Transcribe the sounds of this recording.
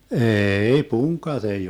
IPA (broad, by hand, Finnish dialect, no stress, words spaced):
eːi puŋkˑɑt ei